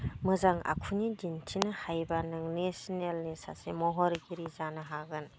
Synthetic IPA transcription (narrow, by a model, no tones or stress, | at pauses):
mɯzaŋa̰kʰunidintʰinɯhajbanɯŋnesnelnisa̰semɔɦɔɾɡiɾizanɯɦaɡɯn